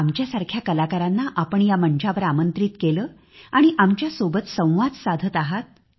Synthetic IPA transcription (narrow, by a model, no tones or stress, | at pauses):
amt͡ɕjasaɾkʰjakəlakaɾanːaʔapəɳjaməɳt͡ɕaʋəɾamənt̪ɾiːt̪keləː | aɽ̃iʔamt͡ɕjasobət̪sə̃w̃ʋad͡zsad̪ʱət̪aɦat̪̚